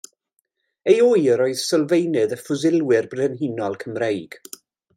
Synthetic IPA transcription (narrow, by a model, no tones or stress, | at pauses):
ejoːɨəɾɔɨð̥səlˠvejnɨðəfʊzɪlˠwɪrbrɛnɦinɔlˠkʰəmrejɡ̥